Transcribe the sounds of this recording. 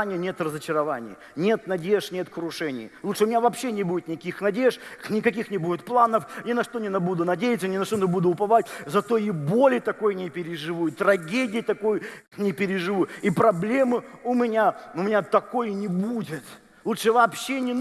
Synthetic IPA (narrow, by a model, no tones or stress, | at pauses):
nʲɪjənʲe̞t̪rəzət͡ɕɪɾɐvanʲɪ̰j | nʲe̞t̪nɐdʲeʂnʲe̞t̪kɾʊʂɛnʲɪ̰jlˠut̪ʂɨʊmʲɪnʲavɐpɕːenʲɪbudʲɪt̪nʲɪkʲixnɐdʲeʂnʲɪkɐkʲixnʲɪbudʲɪt̪̚plˠanəfnʲɪnɐʂt̪o̞nʲɪnɐbud̪ʊnɐdʲejɪt̪sənʲɪnɐʂt̪onɪbud̪ʊʊpɐvat̚ʲzɐt̪o̞ibolʲɪt̪ɐko̞jnʲɪpʲɪɾʲɪʐɨvuɪt̪ɾɐɡʲedʲɪjɪt̪ɐkoj | nʲɪpʲɪɾʲɪʐɨvuipɾɐblʲe̞mɨʊmʲɪnʲaʊmʲɪnʲat̪ɐko̞jnʲɪbudʲɪt̪ | lˠutʂɨvɐːpɕːenʲɪ